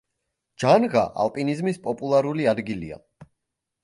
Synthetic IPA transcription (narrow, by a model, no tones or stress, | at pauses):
d͡ʒanʁa̰ʔa̰lˠpʼinizmispʼɔpʼulˠaɾuliad̪ɡilḭa̰